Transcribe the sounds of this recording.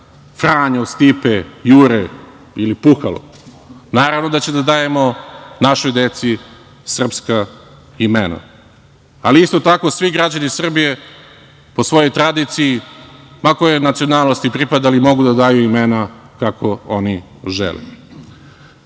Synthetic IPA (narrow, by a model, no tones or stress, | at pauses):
fɾaːɲaust̪ipejuːɾe | ilipuxalo̰ | naːɾavno̞d̪at͡ɕed̪ad̪aːje̞mo̞naʃo̞jd̪e̞t̪si | sr̩pska | imena̰ | aliist̪o̞t̪ako̞sʋiɡɾad͡ʑanisr̩bije̞ | po̞sʋo̞jo̞jt̪ɾad̪it̪sijimakojenat̪sio̞naːlˠnost̪ipɾipad̪alimo̞ɡud̪ad̪aːjuimena | kakʰo̞oni | ʒḛlḛ